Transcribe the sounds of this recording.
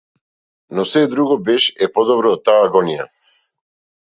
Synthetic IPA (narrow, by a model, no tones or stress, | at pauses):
nɔsɛd̪ɾuɡɔbɛʃɛpɔd̪ɔbɾɔːt̪ːaaɡɔnija̰